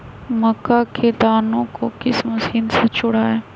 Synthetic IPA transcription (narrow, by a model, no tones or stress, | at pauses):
mɐkːakʰed̪aːnõkokɪsmɐsiːnset͡ʃʊɽaːɦɛː